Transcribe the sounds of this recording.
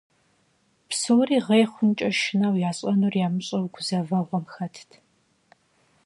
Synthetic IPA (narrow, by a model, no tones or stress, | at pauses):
psɨwriːʁejχʷʊnt͡ʃʼɐʃɪnaːwjaːɕʼɐnurjaːmɨɕʼɐwɡʷʊzɐvɐʁʷɔmxɐtʰtʰ